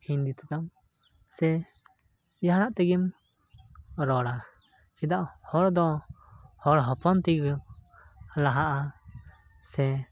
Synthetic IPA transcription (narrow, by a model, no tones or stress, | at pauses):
ind̪it̪uk̪am | sɛ | jaɦɽaʔt̪ɛɡim | ɾɔɽa | t͡ʃid̪aʔhɔɾd̪ɔ | hɔɽɦɔpɔnt̪iɡ | laɦaʔa | sɛ